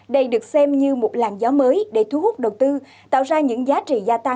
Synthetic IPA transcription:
ɗə˧jɗɨ˨˩ək̚sɛ˧mɲɨ˧mo˨˩t̚la̰ː˧˩nzɔ˨˦məː˨˦jɗe˧˩t̪ʰu˧˦hu˦˥k͡p̚ɗə˨˩wt̪ɨ˧ | t̪a̰ː˧˨wzaː˧ɲɨ̰˧˥ŋzaː˨˦t͡ɕḭ˧˨zaː˧t̪a˧

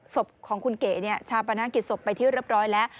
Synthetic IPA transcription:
so˨˩p̚kʰɔː˩˦ŋkʰu˧nkeː˨˩ni˥˩ət͡ɕʰaː˧wpa˧naː˧˥ŋki˨˩t̪̚so˨˩pːa˧jt̪ʰiː˥˩ɾɯ˥˩əp̚ɾɔː˦˥jlɛː˦˥ʔ

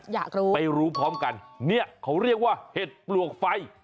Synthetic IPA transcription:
jaː˨˩k̚ɾuː˦˥pa˧jɾuː˦˥pʰɾɔː˦˥mka˧nːi˥˩əkʰa˦˥wɾi˥˩ək̚waː˥˩he˨˩t̪̚plu˨˩ək̚fa˧j

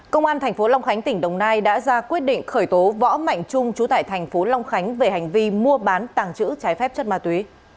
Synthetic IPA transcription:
kə˧wŋ͡mʔaː˧nt̪ʰɛ˨˩ŋ̟fo˨˦la˧wŋ͡mxa˨˦jŋ̟t̪ï˧˩ŋ̟ɗə˨˩wŋ͡mnaː˧jɗa̰ː˧˥zaː˧kwi˦˥ət̚ɗḭ˧˨ŋ̟xəː˧˩jt̪o˨˦vɔ̰˧˥ma̰˧˨jŋ̟t͡ɕʊ˧ŋ͡mt͡ɕu˨˦t̪a̰ː˧˨jt̪ʰɛ˨˩jŋ̟fo˨˦la˧wŋ͡mxa˨˦jŋ̟ve˨˩ha˨˩jŋ̟vi˧mu˧əɓaː˨˦nt̪aː˨˩ŋt͡ɕɨ̰˧˥t͡ɕaː˨˦jfɛ˦˥p̚t͡ɕə˦˥t̚maː˧t̪wi˨˦

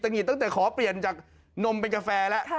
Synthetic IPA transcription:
t̪a˧ŋi˨˩t̪ɔ˥˩ŋt̪ɛː˨˩kʰɔː˩˦pli˨˩ənt͡ɕaː˨˩k̚ | no˧mpe˧nka˧fɛː˧lɛ˦˥ʔ

